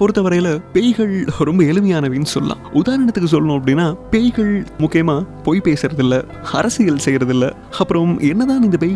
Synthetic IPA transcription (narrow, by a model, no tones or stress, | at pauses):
pɔɾɯt̪ːɐʋɐɾɐjɪlɐpɛjɣɐɭɾɔmbɐɛlɯmɐjaːnɐʋeːnːɯsɔlːla̰ːʔʊðaːɾɐɳɐt̪ːɯkːɯs̬ɔlːɐnũːɐpːɐɽɪnːaːpɛjɣɐɭmʊkːɪjɐmaːpoːjpeːsɪɾɐðɪlːɐ | ɐɾɐsɪjɐlsɛjːɪɾɐðɪlːɐ̰ | ɐpːɯɾɐmɛnːɐðãːnɪnd̪ɐpɛj